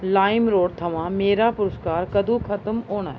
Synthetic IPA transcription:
laːɪmɾoːɽt̪ʰɐʋãmeːɾapʊɾʊskaːɾkɐd̪ʱũkʰɐt̪əmɦoːɽ̃a̰ːɦɛ

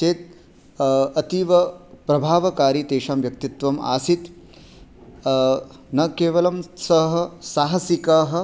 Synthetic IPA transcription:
t͡ʃeːt̪̚ | ɐt̪iʋɐpɾɐbʱaːʋɐkaːɾit̪eːʂaːmʋjɐk̚t̪it̪ʋɐma̰ːsit̪ | nɐkeːʋɐlɐmsɐɦɐ̆saːɦɐsikaːɦɐ̆

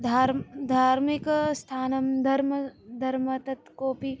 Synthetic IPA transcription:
d̪ʱaːɾd̪ʱaːɾmikst̪ʰaːnɐmd̪ʱɐɾmɐd̪ʱɐɾmɐt̪ɐt̪koːpi

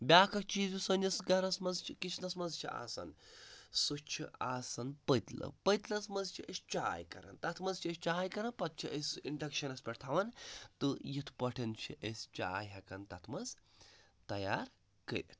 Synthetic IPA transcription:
bʲaːkʰɐk̚t͡ʃiːzusɐnɐsɡɐɾɐsmɐzt͡ʃʰikit͡ʃʰnɐsmɐzt͡ʃʰia̰ːsɐ̰nsut͡ʃʰiʔaːsɐnpət̪lɐ̰pət̪lɐsmɐzt͡ʃʰiʔəsʲt͡ʃaːjkɐ̰ɾɐ̰nt̪ɐt̪ʰmɐzt͡ʃʰiɐst͡ʃaːjkɐɾɐnpɐt̪̚t͡ʃʰiʔesʲiɳɖɐkʃɐnɐspʲɐʈt̪ʰaʋɐnt̪ɨjit̪ʰpɐʈʰɐnt͡ʃʰiʔesʲt͡ʃa̰ːjɦɐkɐnt̪ɐt̪ʰmɐz | t̪ɐjaːɾ | kə̰ɾʲḭt̪ʰ

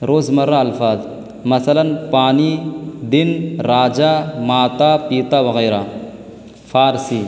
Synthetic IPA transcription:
ɾoːzmɐrːaɐlfaːz | mɐsɐlɐnpaːnid̪ɪnɾaːd͡ʒamaːt̪apiːt̪awɐɣeːɾa | faːɾsiː

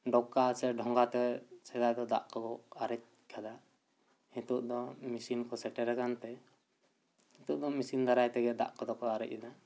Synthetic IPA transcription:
ɖɔkːasɛɖʱɔŋɡat̪ɛsɛd̪ajd̪ɔd̪a̰ʔkɔɡɔaɾɛc̚ | kʰad̪a | hit̪uʔd̪ɔmisinkɔsɛʈɛɾakant̪ɛ | hit̪uʔd̪ɔmisind̪aɾajt̪ɛɡɛʔd̪a̰ʔkɔd̪ɔkɔaɾɛ̰c̚ɛd̪a

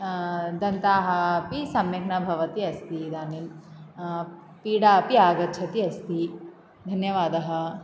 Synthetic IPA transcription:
d̪ɐnt̪aːɦɐːpisɐmjɐkɳɐbʱɐʋɐt̪iɐst̪id̪aːnin | piːɽaːɐpiaːɡɐt̪ːt͡ʃʰɐt̪iɐst̪i | d̪ʱɐnjɐʋaːd̪ɐɦɐ̆

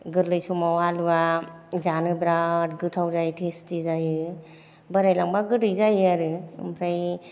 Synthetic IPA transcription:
ɡɯɾlɯjsɔmawalbazanɯbɾat̚ɡɯtʰawzajtʰestizajɯ | bəɾajlaŋbaɡɯɾɯjzajɯaɾɯɯ̰mpʰɾaj

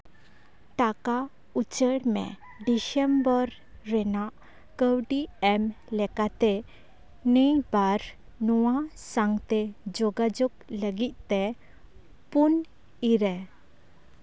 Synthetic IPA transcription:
t̪aka | ut͡ʃəɽmɛ̰ | ɖisɛmbəɾː | ɛnaʔ | kəwɖiɛm | lɛkat̪ɛ | nəjbaɾ | nɔwasaŋt̪ɛd͡ʒɔɡad͡ʒɔɡləɡit̪̚ˀt̪ɛ | pun | iɾɛ

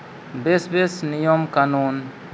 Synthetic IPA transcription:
besbesnijɔmkanun

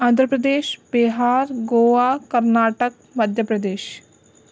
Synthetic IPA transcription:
ãːnd̪ʱɾəpɾəd̪eːʃbeɦaːɾɡoːʋaːkɐɾnaːʈək̚ | mɐd̪ʱjəpɾɐd̪eːʃ

